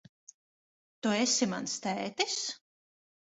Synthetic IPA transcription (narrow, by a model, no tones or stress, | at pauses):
t̪uesʲima̰nst̪æjt̪is